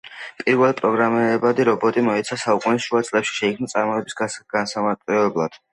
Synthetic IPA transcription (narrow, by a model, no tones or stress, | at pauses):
pʼiɾwɛlˠpʼɾɔɡɾamɛɛbad̪iɾɔbɔt̪ʼimɔɛt̪sʰasaukʼunisʃuat̪sʼlɛpʃi̥ʃɛikʰmnat̪sʼaɾmɔɛbisɡɡ̥ansamaɾt̪ʼɛɛblˠad̪̥